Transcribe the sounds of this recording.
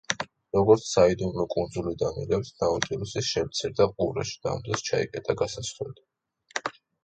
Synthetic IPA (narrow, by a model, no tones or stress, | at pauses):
ɾɔɡɔɾt̪sʰsaid̪umlɔkʼund̪zulid̪amiɾɛpsnaut̪ʼiɾusiʃɛmt̪sʰiɾd̪aqʼuɾa̰ʃi̥d̪̥a̰ːmd̪ɾɛst͡ʃʰaḭkʼɛt̪ʼaɡasasχɛ̰d̪i